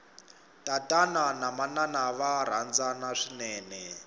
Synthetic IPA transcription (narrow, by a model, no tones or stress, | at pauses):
tʼatʼananamananaβaɾ̤and͡zanaʂinɛːnɛ